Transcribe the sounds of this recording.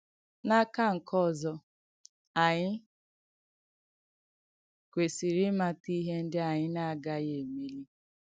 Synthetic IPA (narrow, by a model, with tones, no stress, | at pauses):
na˦ka˦ŋ̩˨kʰɔ˦˨zɔ˦ | a˨ɲɪ˦ | kʷe˨si˨ɾɪ˦ma˦ti˦ɦe˦n̩˦dɪ˦a˨ɲɪ˦na˦a˨ɡa˦je˨me˦li˦